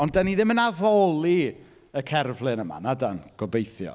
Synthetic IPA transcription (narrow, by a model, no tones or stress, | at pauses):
ɔndaniðɪmənavɔlˠi | əkʰɛrvlˠɨnəma̰nadanɡ̥ɔbejθjɔ̰